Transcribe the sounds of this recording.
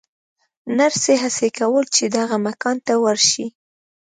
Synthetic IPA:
naɾseɦasekawəlt͡ʃed̪aɣamakɑnt̪awəɾʃi

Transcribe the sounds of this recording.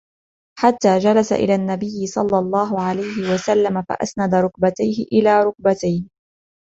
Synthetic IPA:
ħat̪ːaːd͡ʒalasa̰ʔɪ̰laːnːabɪjːɪsˤɑlːɑlˤːɑːɦʊʕalajhɪwasalːamafa̰ʔa̰snad̪aɾˤʊk̚bat̪ajhɪʔɪlaːɾˤʊk̚bat̪ajn

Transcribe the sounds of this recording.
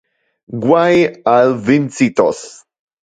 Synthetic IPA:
ɡwajalvint͡sit̪o̰s

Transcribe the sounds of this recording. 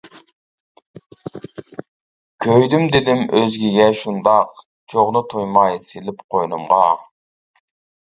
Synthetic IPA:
kʲʰøjd̪ymd̪ed̪ɪmʔøzɡʲiɡʲɛʃund̪ɑq | t͡ʃʰoʁnʊt̪ʰujmɑjsilɪpqʰojnumʁɑ

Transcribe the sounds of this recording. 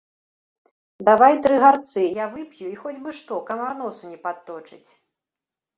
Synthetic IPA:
d̪avajt̪ɾɨɣart̪sɨjavɨpjuixɔd͡zʲbɨʂt̪ɔkɐmarnɔsunʲɛpat̪ːɔt͡ʂɨt͡sʲ

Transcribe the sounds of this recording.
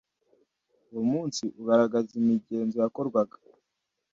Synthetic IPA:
uwomuːnsiʔuɡaɾaɡazimiɟe̞ːnzo̞jako̞ɾɡwaɡḁ

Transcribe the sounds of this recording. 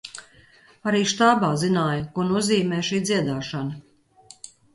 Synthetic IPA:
aɾiːʃt̪aːbaːzinaːjkunuɔziːmɛːʃiːd̪zʲiɛd̪aːʃanɐ

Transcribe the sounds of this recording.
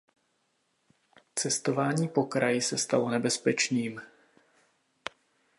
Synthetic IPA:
t͡sɛst̪o̞vaːɲiːpo̞kɾajɪsɛst̪alo̞nɛbɛspɛt͡ʃniːm

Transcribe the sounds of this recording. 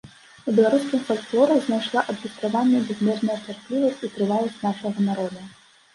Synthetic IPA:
ubʲɛlˠaɾuskʲimfɔlʲt̪klˠɔɾɐwznajʂlˠaʔɐb̪ɣʲist̪ɾavanʲːɐbʲɛzʲmʲɛʐnɐjɐt͡ʂarplʲivɐsʲt͡sʲit̪ɾɨvajˠɐsʲt͡sʲnaʂɐɣɐnaɾɔd̪ɐ

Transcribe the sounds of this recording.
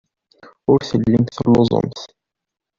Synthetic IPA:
ʊɾθəlːəmθəlːʊzˤo̰mθ

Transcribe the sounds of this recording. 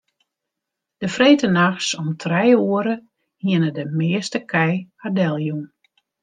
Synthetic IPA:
d̥əfreːtənaxsɔmtʰrɛjuəɾə | hiənədəmɪːəstəkʰɛjadɛlˠjun

